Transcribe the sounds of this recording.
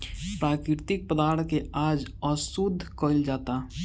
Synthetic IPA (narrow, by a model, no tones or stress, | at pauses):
pɾaːkɾɪɾt̪ɪk̚pəd̪aːɾt̪ʰkeaːd͡ʒɔsʊd̪ʱːkold͡ʒaːt̪aː